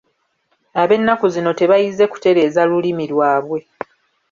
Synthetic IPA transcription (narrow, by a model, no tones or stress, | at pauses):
aβe̞nːakuzino̞te̞βajize̞ku̥te̞ɾe̞ːzalulimilwaːβwe̞